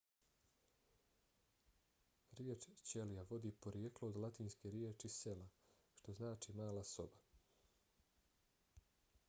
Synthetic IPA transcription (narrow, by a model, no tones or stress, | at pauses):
ɾjet͡ʃt͡ɕelijaʋo̞d̪iːpo̞ɾjeklood̪lˠat̪iːnskeɾjet͡ʃisela | ʃt̪o̞znaːt͡ʃimaːlaso̞ba